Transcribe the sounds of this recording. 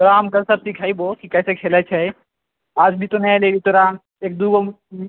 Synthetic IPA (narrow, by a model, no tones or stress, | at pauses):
ɾaːmɡɐlsɐb̚t̪ikʰaːiboːkikɛːsekʰeːlat͡ʃʰaːi | aːd͡ʒbʱit̪onɐɦeleːɡit̪oɾaːm | eːk̚d̪uːɡo